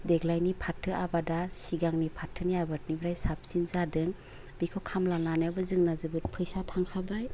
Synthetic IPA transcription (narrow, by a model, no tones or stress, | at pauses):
deɡlajnipʰatʰːɯʔabadasiɡaŋnipʰatʰːɯniabat̚nibɾajsap̚sinzadɯŋ | bikʰɔkʰamlananjabɯzɯŋnazɯbɯt̚pʰɯjsatʰaŋkʰabaj